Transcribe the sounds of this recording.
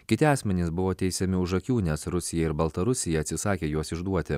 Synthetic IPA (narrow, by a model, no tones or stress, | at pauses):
kʲɪt̪ʲɪɑːsʲmʲɛnʲɪsbʊʋoːt̪ʲɛɪsʲɛmʲɪʊʒɐkʲuːnʲɛsɾʊsʲɪjɛɪɾbɐlˠt̪ɐɾʊsʲɪjɛɐt̪ʲsʲɪsɑːkʲeːjuɔsɪʒd̪uɔt̪ʲɪ